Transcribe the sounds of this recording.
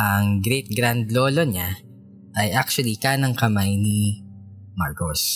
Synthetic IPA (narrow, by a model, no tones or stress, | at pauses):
ʔɐŋɡɾɛjt̪̚ɡɾand̪loːloɲa | ʔɐjʔak̚t͡ʃʊɐlikanɐŋkɐmajni | maɹkos